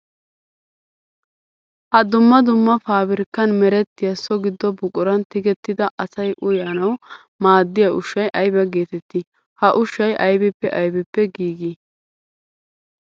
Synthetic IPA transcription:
hɐd̪ʊmːɐd̪ʊmːɐfaːbɪɾkːɐnmɛɾɛt̪ːɪjɐsɔɡɪd̪ːɔbʊkʼʊɾɐnt̪ɪɡɛt̪ːɪd̪ɐʔɐsɐjʔʊjɐnɐw | maːd̪ːɪjɐʊʃːɐjʔɐjbɐɡe̞ːt̪ɛt̪ːɪ | hɐʔʊʃːɐjʔɐjbɛpːɛʔɐjbɛpːɛɡiːɡi

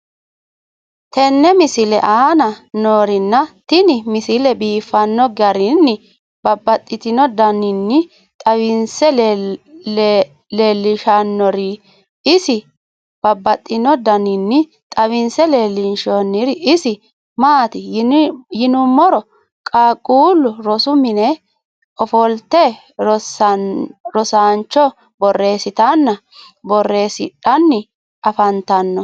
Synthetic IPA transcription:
t̪ɛnːɛmɪsɪlɛ̰ʔaːnɐnoːɾɪnːɐt̪ɪnɪmɪsɪlɛbiːfɐnːɔɡɐɾɪnːɪ | b̥ɐbːɐt̪ʼːɪt̪ɪnd̪ɐnɪnːɪ | t̪ʼɐwɪnsɛ | leːlːɪʃɐnːɔɾɪ | ɪsɪ | b̥ɐbːɐt̪ʼːɪnɔd̪ɐnɪnːɪ | t̪ʼɐβɪnsɛleːlːɪnʃonːɪɾɪsɪ | maːt̪ɪ | jɪnʊmːɔɾɔ | kʼaːkʼuːlːʊɾɔsʊmɪnɛ | ɔfɔlt̪ɛ | ɾɔsaːnt͡ʃːɔ | bɔrːe̞ːsɪt̪ɐnːɐ | bɔrːe̞ːsɪ̰ᶑɐnːɪ | ɐfɐnt̪ɐnːɔ

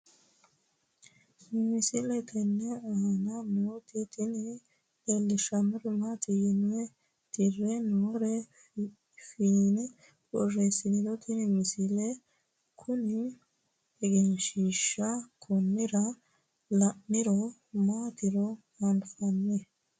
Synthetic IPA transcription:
mɪsɪlɛt̪ʰɛnːɛanɐmoːt̪ɪt̪ɪnɪ | ɛlːɪʃɐmɛɾmat̪ɪjɪnɛ | t̪ɪrːɛnɔːɾɛ | finɛ | bɔrɛsɪnɪd̪ɔt̪ʰɪnɪmɪsɪlɛ | kʰʊnɪ | ɛɡɛnʃiːʃːɐkʰɔnːɪɾɐ | lɐʔɪɾɔ | maːt̪ɪɾɔ | ɐnfɐnːɛ

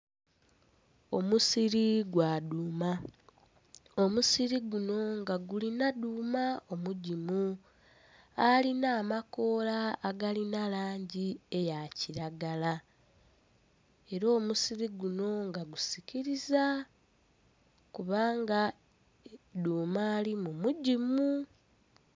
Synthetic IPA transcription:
o̞musiɾiɡwaːduːma | omusiɾiɡuno̞ŋɡaɡulinaduːmao̞muɟimu | alinaːmako̞ːlaːɡalinalaːɲɟie̞jaciɾaɡala | e̞ɾo̞ːmusiɾiɡuno̞ŋɡaɡusiciɾiza | kuβaːŋɡa | duːmaːlimumuɟimu

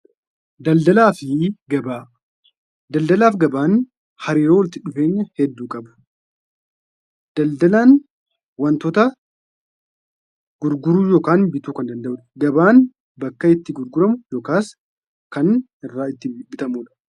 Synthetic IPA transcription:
d̪ɐld̪ɐlaːfɪɡɐbaː | d̪ɐld̪ɐlaːfɡɐbaːn | hɐɾiːɾoːwɐlt̪ɪᶑʊfe̞ːɲːɐhɛd̪ːuːkʼɐbʊ̥ | d̪̥ɐld̪ɐlaːn | wɐnt̪ɔt̪ɐ | ɡ̥ʊɾɡʊɾuːjoːkaːnbɪt̪uːkɐnd̪ɐnd̪ɐʔʊᶑɡɐbaːn | bɐkːɐɪt̪ːɪɡʊɾɡʊɾɐmʊjoːkaːs | kɐn | ɪrːaːɪt̪ːɪbɪt̪ɐmuːᶑɐ̥

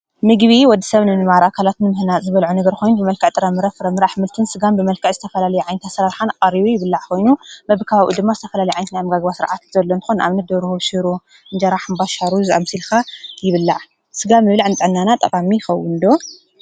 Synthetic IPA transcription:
mɨɡβiwɔd̪ːisɐβnɨmɨnmaɾʔakʰalat̪nɨmɨhnazɨβɐlʕunɨɡɐɾkʰo̞jnubɨmɐlkʰɨʕt̪ʼɨɾɐmɨɾɐfɨɾɐmɨɾaħmɨlt̪ʰɨnsɨɡambɨmɐlkʰɨʕzɨt̪ʰɐfɐlalɐjuʕajnɐt̪ʰasɐɾaɾħanaqʼɐɾiβujɪβɨlːaʕkʰo̞jnumɐβɨkʰaβaβʔṵd̪ɨmːazɨt̪ʰɐfɐlalɐjʕajnɐt̪najamːɨɡaɡβasɨɾʕat̪z̥ɐlːont̪ʰɨ̥xonʔa̰βnɐt̪̚d̪oɾuhuʃɨɾu | ɨnd͡ʒɐɾaħɨmbaʃaɾuza̰msilkajɪβɨlːaʕ | sɨɡamːɨβlaʕɨnt̪ʼɨʕɨnːanat̪ʼɐkʼamixɐwɨnd̪o̞

